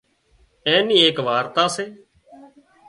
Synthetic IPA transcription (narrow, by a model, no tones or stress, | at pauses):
ẽːniːeːkʋaːɾt̪aːseː